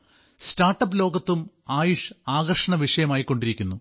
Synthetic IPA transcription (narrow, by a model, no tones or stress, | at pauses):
staːrʈːɐpːɨlo̞ːɡɐt̪ːum | aːjuʂaːɣɐrʂɐɳɐʋiʂɐjɐmaːjikːo̞ɳɖiɾikʲːunːu